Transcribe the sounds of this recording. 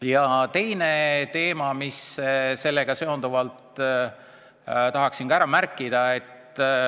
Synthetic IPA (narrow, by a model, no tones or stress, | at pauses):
jɑt̪e̞jne̞t̪e̞ːmɑmisse̞lːe̞ɡ̥ɑse̞o̞nd̪̥uvɑlt̪ | t̪ɑɦɑksiŋɡ̥ɑæɾɑmærkˑːid̪̥ɑe̞t̪ː